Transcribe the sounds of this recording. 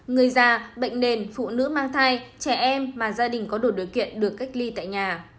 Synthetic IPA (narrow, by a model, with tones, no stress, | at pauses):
ŋɨ˨˩əjzaː˨˩ɓə̰˧˨jŋ̟ɗe˨˩nfṵ˧˨nɨ̰˧˥maː˧ŋt̪ʰaː˧jt͡ɕɛ˧˩ʔɛ˧mːaː˨˩zaː˧ɗï˨˩ŋ̟kɔ˨˦ɗo˧˩ɗi˨˩əwkḭ˧˨ənɗɨ˨˩əkːa˦˥jk̟̚li˧t̪a̰ː˧˨jɲaː˨˩